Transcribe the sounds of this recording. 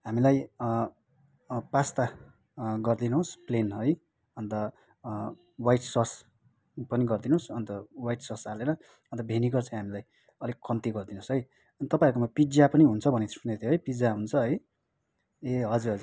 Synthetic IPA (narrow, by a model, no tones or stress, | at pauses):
ɦamilaj | past̪a | ɡʌrd̪inosplenɦʌj | ʌnt̪ʌ | wajʈsʌs | pʌniɡʌrd̪inõsʌnt̪ʌwajʈsʌsaleɾʌ | ʌnt̪ʌbʱeniɡʌrt͡sʌĩɦamilaj | ʌlikʌnt̪iɡʌrd̪inõsɦʌj | ʌnt̪ʌpaiɾkomapid͡zjapʌniɦunt͡sʰʌbʱʌnet̪ʰi̥sunet̪ʰeɦʌjpid͡zaɦunt͡sʰʌɦʌj | eɦʌd͡zuɦʌd͡zu